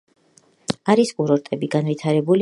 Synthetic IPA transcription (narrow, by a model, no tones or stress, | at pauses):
aɾiskʼuɾɔɾt̪ʼɛbiɡanvit̪ʰaɾɛbul